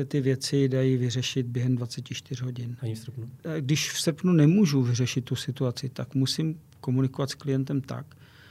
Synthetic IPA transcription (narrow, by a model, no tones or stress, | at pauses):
ɛt̪ɪvjɛt͡sɪdajiːvɪrɛʃɪt̪̚bjɛɦɛmdvat͡sɛcɪʃt̪ɪr̝ɦo̞ɟɪnsrpnuɡdɪʃfsr̩pnunɛmuʒuvɪrɛʃɪt̪ːusɪt̪uat͡sɪt̪akmusim | ko̞munɪko̞vat̪sklɪjɛnt̪ɛmt̪a̰k